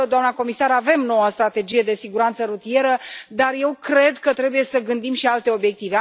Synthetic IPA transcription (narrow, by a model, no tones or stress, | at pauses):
d̪oamnəko̞misaɾave̞mno̞wəst̪ɾat̪e̞d͡ʒije̞d̪e̞siɡuɾant̪səɾut̪ije̞ɾəd̪arje̞wkɾe̞d̪kət̪ɾe̞buje̞səɡɨnd̪imʃialt̪e̞o̞bje̞k̚t̪ive̞